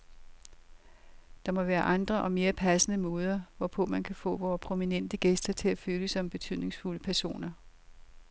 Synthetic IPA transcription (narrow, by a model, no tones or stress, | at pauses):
d̥ɑ̈mɒ̽ʋæːɐʔɑ̈nd̥ʁɐʔɒ̽me̝ːɐpʰæsənəmɔ̽ːð̞ˠɐʋɒpʰɔ̽mænkʰæfɔ̰̽ːʋɒːpʰʁo̝minen̰d̥əɡ̥esd̥ɐt͡sʰe̝læføləsɒ̽mb̥e̝t͡sʰyð̰ˠne̝ŋsfuləpʰæɐso̝̰ːnɐ